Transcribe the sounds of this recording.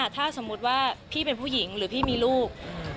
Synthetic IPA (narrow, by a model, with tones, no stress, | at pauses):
a˨˩t̪ʰaː˥˩so˩˦mu˦˥t̪̚waː˥˩pʰiː˥˩pe˧npʰuː˥˩ji˩˦ŋɾɯː˩˦pʰiː˥˩miː˧luː˥˩k̚